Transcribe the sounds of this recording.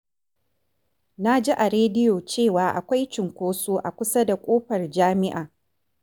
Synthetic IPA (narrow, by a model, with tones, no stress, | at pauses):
na˦d͡ʒi˦ʔa˨ɾeː˦dɪ˦joː˨t͡ʃeː˦˨waː˨ʔa̰˨kʷa˦jt͡ʃɪ˨ŋkʷoː˦soː˦ʔa˨kʷʊ˦sa˦da˨kʷʼoː˦ɸɐ˨rd͡ʒaː˦mɪ˦ʔaː˨